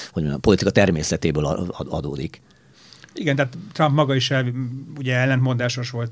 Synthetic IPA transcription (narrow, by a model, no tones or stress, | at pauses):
hoɟɒpo̞lit̪ikɒt̪ɛrmeːsɛt̪eːbøːl̰ɒd̪o̰ːd̪ik | iɡɛnt̪ɛɦːt̪t̪rɒmpmɒɡɒiʃɛuɟɛɛlːɛnt̪mo̞nd̪aːʃo̞ʃʋo̞lt̪